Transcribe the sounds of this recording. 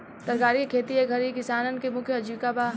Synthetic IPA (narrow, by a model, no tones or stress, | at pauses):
t̪əɾɡaːɾiekʰeːt̪ieɡʱɐɾikɪsaːnənkemʊkʰjəɐd͡ʒikaba